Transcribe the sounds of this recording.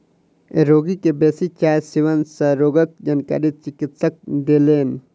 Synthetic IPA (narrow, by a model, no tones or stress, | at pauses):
ḛɾoːɡikebeːsit͡ʃaːsiʋɐnsɐɾoːɡɐk̚d͡ʒɐnka̰ɾit͡ʃikit̪sɐk̚d̪eleːn